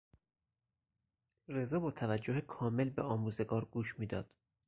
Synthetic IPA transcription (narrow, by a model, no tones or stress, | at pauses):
re̞zɒːbɒːt̪ʰævæd͡ʒːohekʰɒːme̞lbḛɒːmuːze̞ɡɒːɾɡuːʃmiːd̪ɒ̰ːd̪̥